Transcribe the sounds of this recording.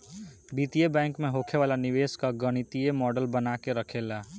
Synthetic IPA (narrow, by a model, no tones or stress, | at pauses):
biːt̪ijebɛ̃ːŋkmẽɦoːkʰeʋaːlanɪʋeːskaɡəɽ̃ɪt̪ijemɔːɖəlbənaːkeɾəkʰeːlaː